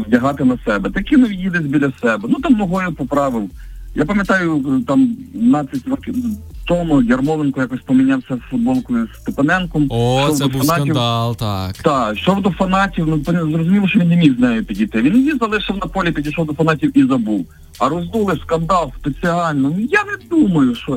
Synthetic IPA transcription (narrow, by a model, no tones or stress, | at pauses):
dʲɐɦɑt̪ɪnɐsɛbɛt̪ɐkʲɪnɔʋʲidʲjid̪ɪzʲbʲilʲɐsɛbɛnut̪ɑmnɔɦɔjʊpɔpɾɑʋɪwˠjapɐmʲjɐt̪ɑjʊt̪ɑmnɑsʲɐtʲrɔkt̪ɔmɔjʲɐrmɔʋenkʊjakɔsʲpɔmɪnʲawsʲɐfʊd̪̚bɔlˠkɔjʊst̪ɪpɐnɛnkɔmʃt͡ʃɔwd̪ɔfɐnɑtʲiwlˠt̪akt̪ɑʃt͡ʃɔwd̪ɔfɐnɑtʲiwnʊt̪ɔnzrɔzʊmʲiʋˠʃɔʋʲinːemʲiwznɛjʊpʲidʲijt̪ɪʋʲinjʲizɐlˠɪʃɐwnɐpɔlʲipʲidʲiʃɔwd̪ɔfɐnɑtʲiwizɐbuw | ɐɾɔzd̪ulˠɪskɐnd̪ɑlˠst̪et͡sʲɪɑlʲnɔjanɛd̪umɐjʊʃɔ